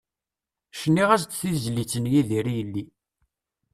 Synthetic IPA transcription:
ʃənːiʁæst͡sːθizlit͡sːənjiðiɾijəlːi

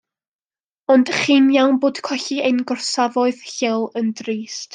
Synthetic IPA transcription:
ɔndχiːnjawnboːd̥kʰwɛɬiejnɡɔrsavɔɨð̥ɬɪlˠəndriːst

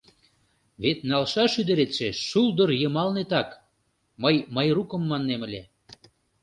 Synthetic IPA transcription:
βet̪nɑlʃɑʃyd̪ə̆ɾet̪ʃeʃuld̪ɤ̆rjɤ̆mɑlnet̪ɑk | mɤjməjrukə̆mːɑnːemə̆lʲe

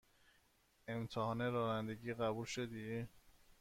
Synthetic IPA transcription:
emt̪ʰehɒːneɾɒːnænd̪eɟiːɣæbulʃod̪iː

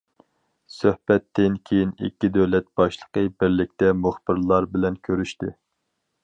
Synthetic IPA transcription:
søhb̥ɛt̪ːɪnkʲʰejinḭkʲːid̪øwlɛt̪̚b̥ɑʃlˠə̥qəbɪɾlɪk̚ʲt̪ɛmuχb̥ɪɾlˠɑɾbɪlɛnkʲʰøɾyʃt̪ɪ

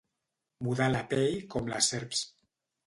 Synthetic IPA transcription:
muðalapɛʎkɔmla̰sɛɾps

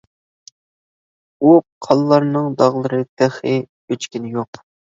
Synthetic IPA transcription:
uqʰɑlˠlːɑɾnɨŋd̪ɑʁlˠɨɾɨt̪ʰæχɨ | øt͡ʃkʲinɪjoq

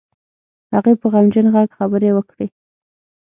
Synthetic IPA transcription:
haɣepəɣamd͡ʒənɣaɡxabəɾewəkɽe

